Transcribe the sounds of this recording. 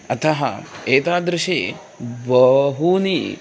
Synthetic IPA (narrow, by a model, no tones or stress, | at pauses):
ɐt̪ʰɐɦɐ̰eːt̪aːd̪ɾɪʃeː | bɐɦuni